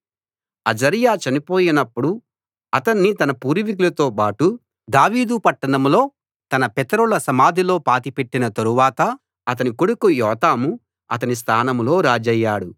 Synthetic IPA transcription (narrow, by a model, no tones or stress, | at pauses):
ɐd͡ʒɐɾijaːt͡ʃɐnipoːjinɐpːuɽu | ɐt̪ɐnːit̪ɐnɐpuːɾiʋik̬ulɐt̪o̞ːpaːʈu | d̪aːʋiːd̪upɐʈːɐɽɐmlo̞ː | t̪ɐnɐpɛt̪ɐɾulɐsɐmaːd̪ʱilo̞ːpaːt̪ipe̞ʈːinɐt̪ɐɾuʋaːt̪ɐ | ɐt̪̬ɐnikoɽukujɔːt̪aːmu | ɐ̰t̪ɐnis̬t̪ʰaːnɐmlo̞ːɾaːd͡ʒɐjːaːɽu